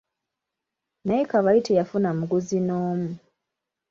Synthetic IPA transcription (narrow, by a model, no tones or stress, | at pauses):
naikaβaitʰejafunamuɡuzinoːmu